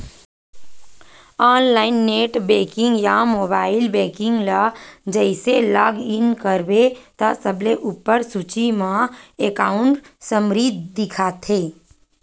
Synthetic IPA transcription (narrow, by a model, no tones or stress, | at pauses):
aːnlaːɪnːeːʈbeːkɪ̃ŋɡjamoːbaːɪlbeːkɪ̃ŋɡlad͡ʒəɪselaɡɪnkəɾbet̪əsəbleʔupːəɾsut͡ʃimãekaːʊɳʈsəmɾiːd̪̚ʱd̪ɪkʰaːt̪ʰeː